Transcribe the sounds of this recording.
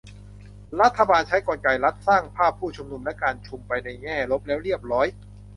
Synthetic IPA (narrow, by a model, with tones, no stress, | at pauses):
ɾa˦˥t̪ʰːa˧baː˧nt͡ɕʰa˦˥jkɔː˧nka˧jla˦˥t̪̚saː˥˩ŋpʰaː˥˩pʰːuː˥˩t͡ɕʰu˧mnu˧mna˦˥jkaː˧nt͡ɕʰu˧mpa˧jna˧jŋɛː˥˩lo˦˥p̚lɛː˦˥wɾi˥˩əp̚ɾɔː˦˥j